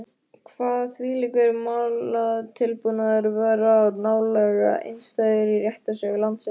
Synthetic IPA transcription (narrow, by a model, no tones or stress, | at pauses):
kʰvaːðθviːlikʏɾmawlaðt̪ʰɪlpunaðɪɾvɛːɾanaːwlɛɣa̰ʔɪ̰nst̪ajðʏɾirjɛht̪asœɣʏlant̪sɪ